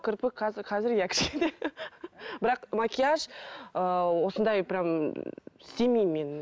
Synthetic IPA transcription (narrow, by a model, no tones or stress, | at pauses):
kʲʰɪɾpɪqʰɑzɪqʰɑzɪɾjækʲʰɪ̥ʃkʲend̪e | bɪɾɑqmakʲijaʃəwo̞sənd̪ɑjbɪɾam | semijmmːe̞n